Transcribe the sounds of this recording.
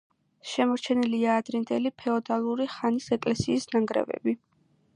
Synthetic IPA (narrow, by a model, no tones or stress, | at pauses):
ʃɛmɔɾt͡ʃʰɛniliaːd̪ɾind̪ɛlipʰɛɔd̪alˠuɾiχanisɛkʼlɛsiːsnaŋɡɾɛ̰vɛ̰bi